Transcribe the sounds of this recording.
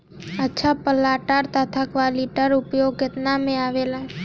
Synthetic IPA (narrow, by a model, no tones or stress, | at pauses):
ətːʃʰapəlaːʈaɾt̪ʰət̪ʰakʋaliʈəɾʊpjoɡ̚kɪt̪namẽaːʋelã